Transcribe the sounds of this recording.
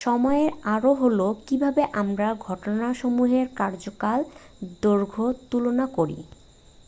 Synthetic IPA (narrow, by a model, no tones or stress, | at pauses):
ʃɔmɔeɾaɾoɦolokibʱabeʔamɾaɡʱɔʈonaʃomuɦeɾkaɾd͡ʑokal | d̪oɾɡʱot̪ulonakoɾḭ